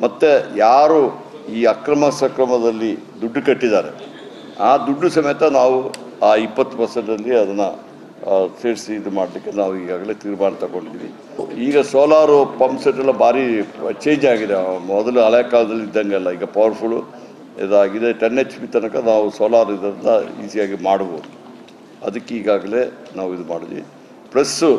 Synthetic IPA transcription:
mɐt̪ːe̞jaːɾuː | iːɐkɾɐmɐsɐkɾɐmɐd̪ɐlːid̪uɖːukɐʈːid̪aːɾe̞̰ | aːd̪uɖːusɐmɐjɐt̪ɐnaːʋuaːipːɐt̪ːu̥pɐɾseɳʈɐlːiɐd̪ɐnːɐ | seːɾisid̪umaːɽɐlikːe̞naːʋuiːɡaːɡɐle̞ːt̪iːɾbaːɳɐt̪ɐko̞ɳɖid̪iːʋi | iːɡɐsoːlaːɾupɐmpseɳʈːɐlːɐbʱaːɾit͡ʃe̞ːɲd͡ʒaːɡid̪emɔd̪ɐluɐlɐjɐkaːlɐd̪ɐlːiid̪ːɐŋɡɐɛlːɐiːɡɐpɐʋɐɾpʰul | ɛ̰d̪aːɡid̪eʈɐnːet͡ʃpit̪ɐnɐkɐnaːʋusoːlaːɾid̪ɐɾind̪ɐḭːsijaːɡimaːɽʋoːd̪u | ɐ̰d̪ɐkːeiːɡaːɡɐle̞ː | naːʋuid̪umaːɽiʋḭ | pɾɐsu

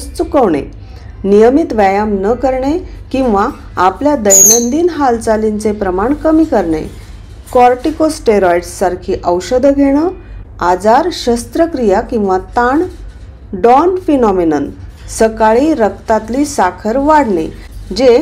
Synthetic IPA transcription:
st͡sukəʋɳḛ | nijəmit̪ʋajamnəkəɾɳe | kĩw̃ʋa | apljad̪əjlənd̪iːnɦalt͡salint͡sepɾəmaɳkəmiːkəɾɳḛ | kɔɾʈikosʈeɾɔjɖsːaɾkʰiːʔəwɕəd̪ʱɡʱeɽ̃əad͡zaɾɕəst̪ɾəkɾijakĩw̃ʋat̪aɳ | ɖɔnfinɔminən | səkaɭiːɾək̚t̪at̪liːsakʰəɾʋaɽɳḛ | d͡ʑe

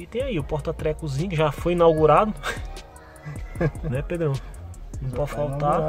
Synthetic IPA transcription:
it̪ẽj̃aiʊpɔɾt̪ɐt̪ɾɛkʊzĩɲʊkɪʒafojĩnawɡuɾad̪ʊ | nɛped̪ɾɐ̃w̃nɐ̃w̃pɔdfawt̪a

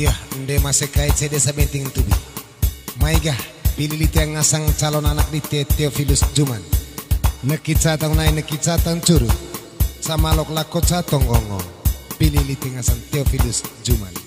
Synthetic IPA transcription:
ijahndɛmasɛkait͡ʃɛdɛsabɛnt̪iŋt̪ubi | maiɡahpililit̪ɛaŋasaŋt͡ʃalɔnanak̚dit̪ɛt̪ɛɔfilusd͡ʒumanː | əkit͡ʃat̪aŋnainəkit͡ʃat̪aŋt͡ʃuɾu | samalɔklakɔt͡ʃat̪ɔŋɡɔŋɔ̰pililit̪ɛŋasaŋt̪ɛɔfilusd͡ʒuma̰n

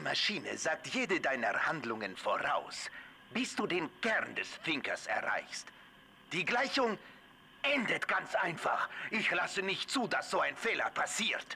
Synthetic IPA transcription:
imaʃiːnə̰zaːk̚tjeːdədaɪnəhandlʊŋənfoʁa̰ʊs | b̥ɪsd̥uːdeːnkɛʁndɛsfɪŋkɐsɛ̰ɐʁa̰ɪçst | d̥iːɡlaɪçʊŋ | ʔɛndətɡ̥ant͡sʔaɪnfa̰χʔɪçlasənɪçtt͡suːdasz̥oːaɪnfeːlɐpʰasiːt

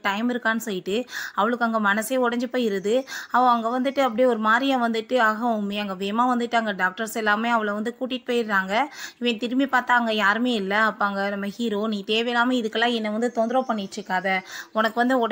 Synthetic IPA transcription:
ʈɐɪmɪɾɯkːaːnːɯsɔjːɪʈːɯɐʋɐɭɯkːɯɐŋɡɐmɐnɐseːɔɽɐɲd͡ʒɯpoːjɪɾɐðɯɐpːõɐŋɡɐʋɐnd̪ɯʈːɯɐp̬ːɐɽijɔɾɯmaːd̪ɾɪjɐ̃ʋɐnd̪ɯʈːɯaːɣɐʊmːiɐŋɡɐʋeːmaːʋɐnd̪ɯʈːɯɐŋɡɐɖaːk̚ʈɐɾsɛlːaːmeːɐʋɐɭɐʋɐnd̪ɯkuːʈːɪʈːɯ̥poːjɪɾɾaːŋɡɐɪʋẽːt̪ɪɾɯmbipaːɾt̪aːɐŋɡɐjaːɾɯmeːɪlːɐɐpːoːɐŋɡɐnɐmːɐhiːɾoːniːt̪eːʋɛlaːmɐɪðɯkːɐɛlːãːɛnːɐʋɐnd̪ɯt̪ɔnd̪ɾɐ̃pɐɳːɪjʈɾɯkːaːðɐɔnɐkːɯʋɐnd̪ɯɔɽ

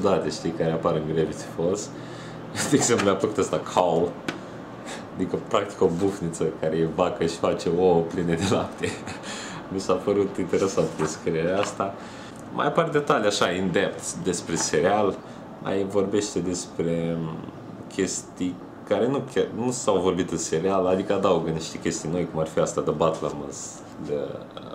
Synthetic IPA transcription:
ud̪at̪eʃt̪ijkaɾeapaɾɨŋɡɾevit̪si̥fos | d̪eeɡzempluapləkut̪ast̪akʰao | ad̪ikəpɾakt̪i̥kobufnit̪səkaɾejebakəʃi̥fat͡ʃe̞oəplined̪e̞lap̚t̪ʰe | misapəɾut̪int̪e̞ɾe̞sant̪d̪eskɾieɾeast̪a | mʔa̰jpard̪e̞t̪aljaʃaind̪e̞p̚t̪sʲd̪e̞spɾe̞se̞ɾeal | ma̰jvo̞rbe̞ʃt̪e̞d̪e̞spɾe̞ | kʲe̞st̪ij | kaɾe̞nukʲarnusawvo̞rbit̪ɨnse̞ɾealad̪ikəad̪auɡəniʃt̪ekʲe̞st̪ijno̞jkumarfiast̪ad̪əbat̪lamɨnz | d̪ə̰

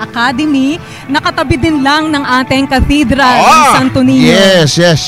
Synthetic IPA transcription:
ʔɐkaːd̪ɛmi | nɐkɐt̪ɐbɪd̪ɪnlɐŋnɐŋʔaːt̪ɪŋkɐt̪id̪ɾɐɐŋsɐnt̪ʊnijjɛsjɛs

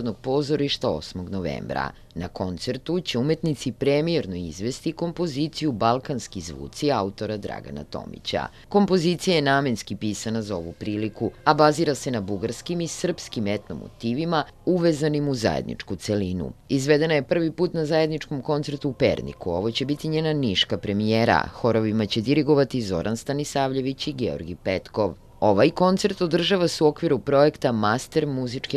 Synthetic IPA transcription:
d̪noɡ̚po̞zoɾiʃt̪ao̰smo̞ɡno̞ʋḛːmbɾa̰ | nako̞nt̪se̞ɾt̪ut͡ɕe̞ume̞t̪nit̪sipɾemieɾno̞izʋe̞st̪iko̞mpo̞ziːt̪sijubalˠkanskizʋṵːt̪siaut̪o̞ɾad̪ɾa̰ɡa̰na̰t̪o̞̰mḭt͡ɕa̰ | ko̞mpo̞zit̪sijajenaːme̞nskipiːsanazao̞ʋupɾiːlikuabaziɾase̞nabuɡaɾskimisr̩pskimet̪no̞̰mo̰t̪iːʋima | uʋezanimuza̰jḛd̪nḭt͡ʂkut̪selinṵizʋed̪e̞naje̞pr̩ʋipuːt̪nazaje̞d̪nit͡ʃko̞mko̞nt̪seɾt̪uːpḛɾnḭkuo̞̰ʋo̞t͡ɕe̞bit̪iɲeːnaniʃkapɾe̞mijeːɾa̰xo̞ɾoʋimat͡ɕe̞d̪iɾiɡo̞ʋat̪izo̞̰ɾʔanst̪anisaːʋʎe̞ʋit͡ɕiɡeo̰ɾɡipet̪ko̞ʋ | o̞ʋajko̞nt̪seɾt̪o̞d̪r̩ʒaʋaseuo̞kʋiɾupɾo̞e̞kt̪amast̪e̞ɾmuzit͡ʂke

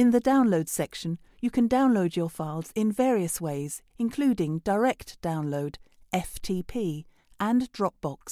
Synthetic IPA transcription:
ɨ̃nðədãʊ̃nloʊd̥sɛkʃə̃n | jəkʰɨ̃ndãʊ̃nloʊd͡ʒəfaɪlˠz̥ɪ̃nvɛɹiəsweɪz̥ | ɨ̃nkʰl̥ʉːdɪ̃ŋd̥əɹɛk̚d̥ãʊ̃nloʊd | ʔɛftʰipʰi | ʔə̃ndɹɒp̚b̥ɒks

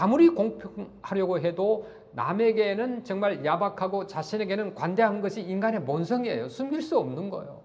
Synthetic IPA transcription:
amuɾikoŋpʰjohaɾjʌɡoɦe̞do | na̰me̞ɡe̞nɯnt͡ɕʌŋmaɭjabakʰaɡot͡ɕaɕʰine̞ɡe̞nɯnkwande̞ɦannɡʌɕʰiːnɡane̞monsʰʌŋiḛjosʰumɡiɭs͈uʌmnɯnɡʌ̰jo̰

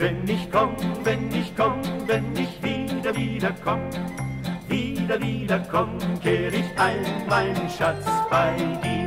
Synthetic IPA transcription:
vɛnɪçkʰɔmvɛnɪçkʰɔmvɛnɪçv̥iːdɐviːdɐkʰɔmə | viːdɐviːdɐkʰɔməkʰeːʁəɪçʔaɪnmaɪnənʃat͡sb̥aɪd̥iː

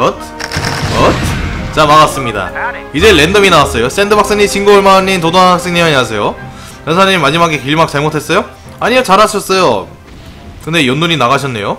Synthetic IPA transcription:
ʌtʰ | ʌt̚t͡ɕamaɣas͈ɯmɲida̰id͡ʑe̞le̞ndʌminawas͈ʌjos͈e̞ndɯbak̚s͈eŋɲiɕʰinɡoɭmaɲːint̬odoŋabak̚s͈eɲejʌɲias̬ʰe̞jo | jʌnsʰaɲimːad͡ʑimaɡekiʎmak̚t͡ɕaɭmotʰe̞s͈ʌjo | aɲijʌt͡ɕaɾɦaɕʰʌs͈ʌjo | kɯnde̞jʌnːuɲinaɣaɕ̬ʰʌnːe̞̰jo

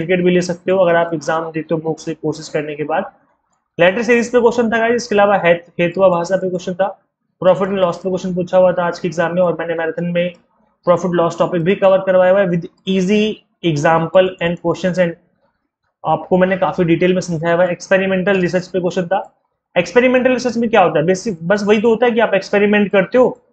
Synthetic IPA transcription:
ɪfɪkeːʈbʱileːsɐk̚t̪eɦõɐɡəɾaːpɪɡzaːmd̪eːt̪eɦõboːksekoːɾsɪskɐɾnekebaːd̪ | lɛːʈəɾsiːɾiːzpekoːʃənt̪ʰakaːɪskeɐlaːʋaɦɛːt̪heːt̪ʋabʱaːsapekoːʃənt̪ʰa | pɾɔːfɪʈnelɔːspekoːʃənp̬uːt͡ʃʰaɦuat̪ʰaaːd͡ʒkiɪɡzaːmːẽɔːɾmɛ̃ːnemɛːɾəd̪ʰənmẽ | pɾɔːfɪʈlɔːsʈɔːpɪk̚bʱikɐʋəɾkɐɾʋaːjauaʋɪd̪iːzi | eɡzãːmpəlɛ̃ːɳɖkoːʃənsɛ̃ːɳɖ | aːp̚komɛ̃ːnekaːfiɖiːʈeːlmẽsɐ̃md͡ʒʱaːjaʋɛekspeːɾɪmɛ̃ːɳʈəlɾɪs̬əɾt͡ʃpekoːʃənt̪ʰaː | ekspeːɾɪmẽːɳʈəlɾɪsəɾt͡ʃmẽkjaɦoːt̪aɦɛbeːsɪbɐs̬ʋɐɦit̪̬oɦoːt̪aɦɛk̬iaːpekspeːɾimẽɳʈ̚kɐɾt̪eɦoː

